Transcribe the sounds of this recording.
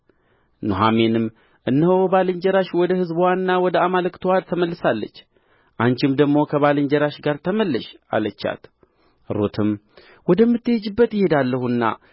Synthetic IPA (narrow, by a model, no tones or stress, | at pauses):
noɦamenɨm | ʔɨnːəhobalɨɲd͡ʒɛɾaʃwɔd̪əhɨzbwanːawɔd̪əamalɨkt̪ʰɨwalt̪ʰəməlːɨsalːə̰t͡ʃː | ʔaɲt͡ʃɪmd̪əɡmo̞kʰəβalɨɲd͡ʒɛɾaʃɡaɾt̪ʰəməlːəʃa̰lət͡ʃːa̰t̪ | ɾo̰t̪ʰɨm | wɔd̪əmːɨt̪ːɨjɛd͡ʒɨbːət̪jɪhe̞d̪alːəhunːa̰